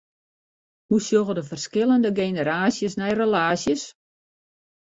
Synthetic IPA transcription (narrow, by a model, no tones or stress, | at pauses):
husjoɣədəfərskɪlˠəndəɡeːnəɾaːsjəsnɛjrəlaːsjəs